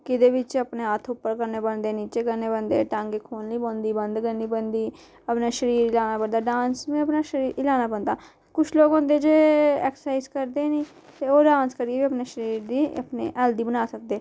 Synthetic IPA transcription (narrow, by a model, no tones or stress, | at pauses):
kɪd̪eːʋɪt͡ʃəpneːət̪ʰʊpːəɾkəɾneːbənd̪eːniːt͡ʃeːkəneːbənd̪eːʈə̃ŋɡekʰoːnliːbõnd̪iːbənd̪ɡənːiːbənd̪iː | əpnaːʃəɾiːɾɪlaːnaːbənd̪aːɖãːnsmẽəpnaːʃəɾiːɾɪlaːnaːbənd̪aː | kʊt͡ʃʰloːɡɦõːnd̪eːd͡ʒeːɛːksə̥saːɪzkəɾd̪eːniː | t̪eːoːɖãːnskəɾieːbiːəpneːʃəɾiːɾd̪iːə̰pnḛːʔɛld̪iːbənaːsək̚d̪eː